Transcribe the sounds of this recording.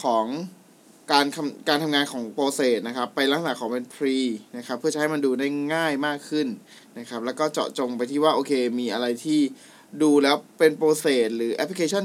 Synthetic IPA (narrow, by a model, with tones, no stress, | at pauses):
kʰɔː˩˦ŋ | kaː˧nkʰa˧mkaː˧nt̪ʰa˧mŋaː˧nkʰɔː˩˦ŋpoː˧seː˨˩t̪̚na˦˥kʰa˦˥pːa˧jla˦˥ŋsa˨˩kʰɔː˩˦ŋpe˧npʰɾiː˧na˦˥kʰa˦˥pʰːɯ˥˩ɐt͡ɕa˦ɦa˥˩jma˧nduː˧da˥˩jŋaː˥˩jmaː˥˩kʰːɯ˥˩n | na˦˥kʰa˦˥p̚lɛː˦˥wkɔː˥˩t͡ɕɔ̰ː˨˩ʔ̚t͡ɕo˧ŋpa˧jt̪ʰiː˥˩waː˥˩ʔoː˧kʰeː˧miː˧ʔa˧ɾa˧jt̪ʰiː˥˩ | duː˧lɛː˦˥wpe˧npoː˧seː˨˩t̪̚ɾɯː˩˦ʔɛ˦˥pʰli˧kʰeː˧˩ɔ˥˩n